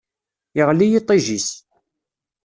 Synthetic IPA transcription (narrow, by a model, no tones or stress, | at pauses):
ɪʁlijit̪ˤːiʒis